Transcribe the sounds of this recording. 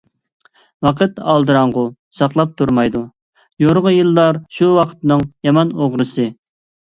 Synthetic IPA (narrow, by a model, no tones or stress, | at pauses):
wɑqʰət̪ɑlˠd̪ɨɾɑŋʁʊ | sɑχlˠɑp̚t̪ʰuɾmɑjd̪u | joɾʁəjɨlˠːɑɾʃuwɑqʰə̥t̪nɨŋjɑmɑnoʁɾɨsɨ